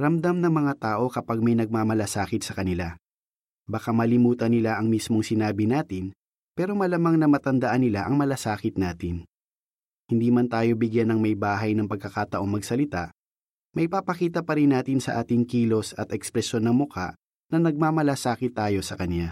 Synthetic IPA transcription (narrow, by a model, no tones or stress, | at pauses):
ɾɐmd̪amnɐŋmɐŋat̪aːʔo̞kɐpaɡ̚mɐjnɐɡ̚maːmɐlasaːkɪt̪̚sɐkɐnɪla | bɐkamɐlɪmuːt̪ɐnɪlaʔɐŋmismo̞ŋsɪnaːbɪnaːt̪ɪn | pɛːɾo̞mɐlamaŋnɐmɐt̪ɐnd̪ɐʔanːɪlaʔɐŋmɐlasaːkɪt̪̚naːt̪ɪn | hɪnd̪iːmɐnt̪aːjo̞bɪɡjanɐŋmɐjbaːɦɐjnɐŋpɐɡ̚kɐkaːt̪ɐʔo̞ŋmɐɡsɐlɪt̪a̰ʔ | mɐjpapɐkiːt̪ɐpɐɾɪnːaːt̪ɪnsɐ̰ʔaːt̪ɪŋkiːlo̞sɐt̪ɛkspɾɛʃo̞nːɐŋmʊka̰ʔ | nɐnɐɡ̚maːmɐlasaːkɪt̪ːaːjo̞sɐkɐnja